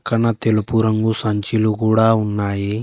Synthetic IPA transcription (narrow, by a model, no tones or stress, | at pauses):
kːɐɳɐt̪elupuɾɐŋɡusɐɲt͡ʃilukuːɽaːunːaːji